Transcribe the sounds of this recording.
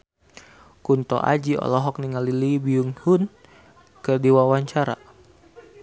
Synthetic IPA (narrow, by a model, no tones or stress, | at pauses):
kunt̪ɔ̰ʔa̰d͡ʒiɔ̰lɔɦɔk̚niŋalilibiuŋhun | kərdiwawaɲt͡ʃaɾa̰